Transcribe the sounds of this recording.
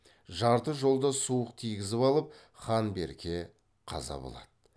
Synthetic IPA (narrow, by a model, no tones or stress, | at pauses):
ʒɑɾt̪əʒo̞lˠd̪ɑsuəqt̪ʰijɡʲɪzɪpɑlˠəp̚ | χɑnbe̞ɾkʲe̞ | qʰɑ̰zɑ̰bo̞̰lˠɑ̰d̪̥ə